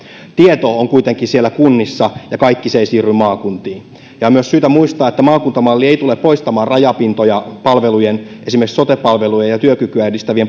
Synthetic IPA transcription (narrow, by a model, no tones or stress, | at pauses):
t̪iet̪o̞oŋkuit̪e̞ŋkinsielːækunːisːɑjɑkɑjkːiseisiːrːymɑːkunt̪iːn | jɑmyøssyːt̪æmuist̪ɑːe̞t̪ːæmɑːkunt̪ɑmɑlːie̞ijt̪ulepːo̞jst̪ɑmɑːnrɑjɑpint̪ojɑpɑlʋe̞lujenʔe̞simerkso̞t̪epɑlʋe̞lujejɑt̪yøkykyæydist̪æʋiem